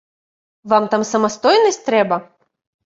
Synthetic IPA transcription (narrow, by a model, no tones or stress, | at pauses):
vamt̪amsɐmast̪ɔjnɐsʲtʲt̪ɾɛbɐ